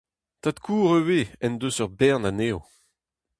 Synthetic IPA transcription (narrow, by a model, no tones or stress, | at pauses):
t̪at̪kʰuːʁøweɛnd̪øsœʁbɛʁnaneːo